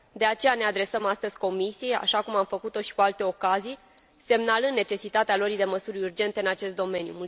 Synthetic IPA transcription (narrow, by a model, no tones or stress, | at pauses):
d̪e̞at͡ʃe̞jane̞ad̪ɾe̞səmast̪əzʲko̞misijea̰ʃakumamfəkut̪o̞ʃi̥kualt̪e̞o̞kazij | se̞mnalɨnd̪ːet͡ʃe̞sit̪at̪ealoɾid̪e̞məsuɾʲurd͡ʒe̞nt̪eɨnat͡ʃe̞st̪d̪o̞me̞njṵmul